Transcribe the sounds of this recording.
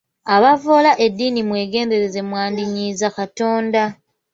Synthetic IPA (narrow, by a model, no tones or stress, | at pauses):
aβavo̞ːlaʔe̞dːiːnimwe̞ːɡe̞ːnde̞ɾe̞ze̞mwaːndiɲiːzakato̞ːnda